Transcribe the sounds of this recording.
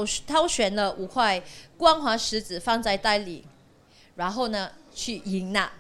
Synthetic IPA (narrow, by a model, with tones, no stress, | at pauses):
t̪ʰɑ˥ʊɕɥɛ˨˩nlə˧ʔu˨˩kʰwa˥˩ɪkwɑ˥ŋxwa˧˥ʂɻ̩˧˥t͡sɹ̩˨˩fɑ˥˧ŋt͡sa˥˧ɪt̪a˥˩ɪlḭ˨˩˦ | ɻa˧˥nxo˥˩ʊnə˨t͡ɕʰy˥˩i˧˥ŋna˥˧˩